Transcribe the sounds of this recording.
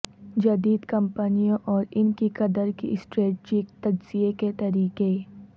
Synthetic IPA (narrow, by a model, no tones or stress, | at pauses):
d͡ʒɐd̪iːd̪kɐmpənijõʔɔːɾɪnkikɐd̪əɾkḭʔsʈɾeːʈt͡ʃiːkt̪ɐd͡ʒz̥ieket̪ɐɾiːqe